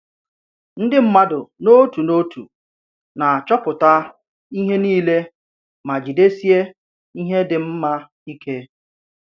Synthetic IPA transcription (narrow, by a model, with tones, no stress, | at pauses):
n̩˦dɪ˦m̩˦ma˦dʊ˨no˦tu˨no˦tṵ˨ | na˨t͡ʃɔ˦pʊ˨ta˦ | i˦ɦe˦niː˦le˦ | ma˨d͡ʒi˨de˦si˦e˦ | i˦ɦe˦dɪ˨m̩˦ma˦ | i˦kʰe˦